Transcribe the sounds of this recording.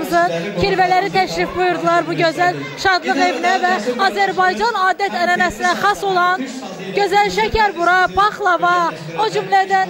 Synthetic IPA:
zɯcʰiɾvælæɾit̪ʰæʃɾifbujuɾd̪ɨlˠɑɾbuɟøzæl | ʃɑd̪lˠɯʁevinɛvɛɑzæɾbɑjd͡ʒɑnɑːd̪ɛt̪ʰɛɾɛnæsinɛχɑsolˠɑn | ɟ̥øzælʃɛcʰæɾbuɾɑbɑχlˠɑvɑ | od͡ʒymlæd̪æn

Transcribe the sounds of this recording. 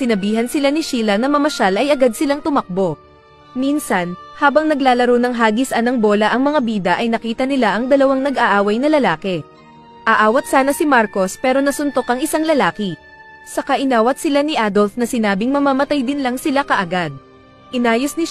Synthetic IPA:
sɪnɐbiːɦɐnsɪlanɪʃiːlɐnɐmɐmɐʃalʔɐjɐɡad̪̚sɪlaŋt̪ʊmɐk̚bo̞ | minsɐnhaːbɐŋnɐɡlaːlɐɾownɐŋɦaːɡisʔɐnɐŋbo̞ːlɐʔɐŋmɐŋabiːd̪ɐʔɐjnɐkiːt̪ɐnɪlaʔɐŋd̪ɐlɐwaŋnɐɡaʔaːwɐjnɐlɐlaːkɛ | ʔɐʔaːwɐt̪̚saːnɐsɪmaɾko̞spɛːɾo̞nɐsʊnt̪o̞kɐŋɪsaŋlɐlaːkɪ | sɐkaʔɪnaːwɐt̪̚sɪlanɪʔaːd̪o̞lfnɐsɪnaːbɪŋmɐmamɐt̪ajd̪ɪnlɐŋsɪlakɐʔɐɡad̪̚ | ʔɪnaːjosnɪ

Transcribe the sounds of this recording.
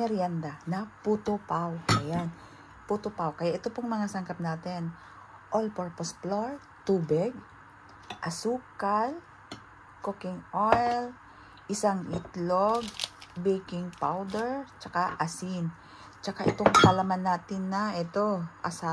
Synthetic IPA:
mɛɾjand̪anɐput̪opawʔɐjan | put̪opawkɐjaʔɛt̪opoŋmɐŋasɐŋkap̚naːt̪ɪn | ʔolpoɹposploɹ | t̪uːbɪɡ̚ | ʔɐsuːkal | kokɪŋʔojl | ʔɪsaŋʔɪt̪loɡ̚bejkɪŋpawd̪ɛɹt͡ʃɐkaʔɐsɪn | t͡ʃɐkaʔɛt̪oŋkɐlamanːaːt̪ɪnːɐʔɛt̪o̞ʔɐsa

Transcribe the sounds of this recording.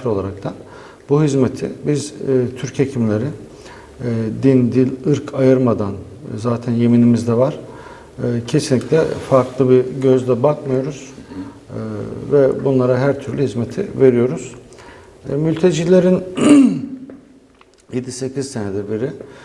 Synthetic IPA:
iɾo̞lˠaɾak̚t̪ʰan | buɦizme̞t̪ʰḭbizt̪ʰyɾcecʰimlʲe̞ɾɪ | d̪ind̪ilʲɯɾkʰajɯɾmad̪an | zaːt̪ʰænje̞minimizd̪ɛvaɾ̥ | cʰe̞sinlʲːicʲlʲɛfaɾklˠɯbiɟøzd̪ɛbakmajo̞ɾuz̥ | vɛbunlˠaɾaɦæɾt̪ʰyɾlʲyhizme̞t̪ʰḭve̞ɾijo̞ɾuz̥ | mylʲt̪ʰe̞d͡ʒilʲe̞ɾin | jed̪ise̞cʰizsened̪ɛbiɾi

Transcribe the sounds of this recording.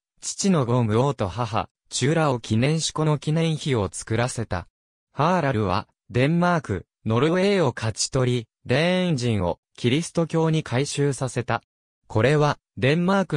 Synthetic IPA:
t͡ɕi̥t͡ɕino̞ɡo̞mɯ̟o̞ːt̪o̞ɦaɦa̰ | t͡ɕɨːɾao̞kʲʰinẽ̞ɰ̃ɕi̥ko̞no̞kʲinẽ̞ɰ̃çio̞t͡sɨ̥kɯ̟ɾase̞t̪a̰ | haɾaɾɯ̟β̞a̰ | d̪ẽ̞mːaːkɯ̟̰ | no̞ɾɯ̟e̞ːo̞kʰat͡ɕi̥t̪o̞ɾʲi | d̪ẽ̞ɲd͡ʑĩɰ̃o̞̰ | kʲiɾʲisɨ̥t̪o̞kʲo̞ːɲ̟ikʰaiɕɨːsase̞t̪a | kʰo̞ɾe̞βa | d̪ẽ̞mmaːkɯ̟

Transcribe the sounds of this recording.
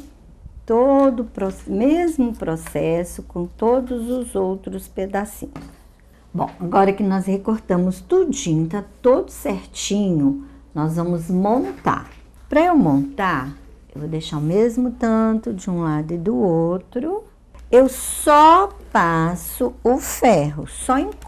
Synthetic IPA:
t̪od̪ʊpɾosmezmʊpɾosɛsʊkõt̪od̪ʊzʊzowt̪ɾʊsped̪asĩɲʊs | bõ̰w̃aɡɔɾɐkɪnɔshekoɾt̪ɐ̃mʊst̪ud͡ʒĩɲʊt̪at̪od̪ʊseɾt͡ʃĩɲʊnɔzvɐ̃mʊzmõnt̪a̰ɾ | pɾɐewmõnt̪aɾ | ewvod̪eʃaɾʊmezmʊt̪ɐ̃t̪ʊd͡ʒɪũlad̪ʊɪd̪ʊowt̪ɾʊ | ewsɔpasʊʊfɛɦʊsɔẽ

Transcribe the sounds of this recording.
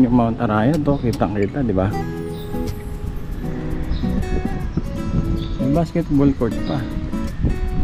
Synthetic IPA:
ɲʊʔmaunt̪aɾajat̪okit̪aŋəɾit̪adibah | ibaskɛt̪̚bɔlkɔt̪pah

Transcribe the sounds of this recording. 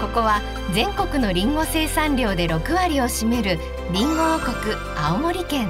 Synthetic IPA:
ko̞ko̞βa | d͡zẽ̞ŋko̞kɯ̟no̞ɾʲĩŋɡo̞se̞ːsãɲɾʲo̞ːd̪e̞ɾo̞kɯ̟βaɾʲio̞ɕime̞ɾɯ̟ | ɾʲĩŋɡoko̞kɯ̟ | aomo̞ɾʲikẽ̞ŋ

